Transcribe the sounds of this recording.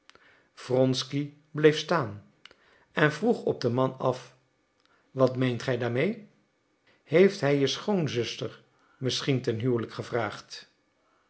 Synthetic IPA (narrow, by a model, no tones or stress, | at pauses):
v̥rɔnski | blejfstaːn | ɛnvruχɔ̰b̚dəmɑnɑf | ʋɑtmejntχɛjdaːɹmej | hejftɦɛjjəsχownzʏstəɹ | mɪsχintɛnɦyːləkχəvraːχt